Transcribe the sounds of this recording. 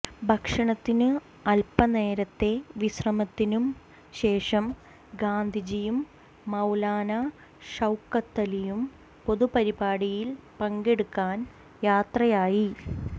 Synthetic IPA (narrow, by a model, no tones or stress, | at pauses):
bʱɐkʂɐɳɐt̪ːinɨ | ɐlpɐne̞ːɾɐt̪ːe̞ʋiɕrɐmɐt̪ːinum | ɕe̞ːʂɐm | ɡaːnd̪ʱid͡ʑijumː | ɐwlaːnɐ | ʂɐwkːɐt̪ːɐlijum | po̞ðupɐɾibaːɽijilpɐŋɡeɽukːaːn | jaːt̪rɐjaːji